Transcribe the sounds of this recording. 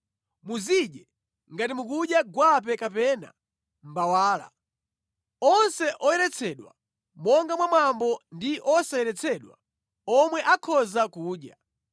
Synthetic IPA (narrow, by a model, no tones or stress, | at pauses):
muziɗɛ | ŋɡatimuk̬uɗjaɡwap̬ɛkapɛːna̰ | m̩bawaːla̰ | ɔnsɛʔɔjɛɾɛt͡sʰɛɗwa̰ | mɔŋɡamwamwambɔndiʔɔsajɛɾɛt͡sʰɛɗwa̰ | ɔmwɛʔakʰɔzakuːɗja